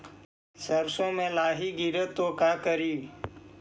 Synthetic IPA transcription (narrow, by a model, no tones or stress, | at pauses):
səɾsõːmẽːlaːɦiːɡiɾət̪ːoːkaːkəɾiː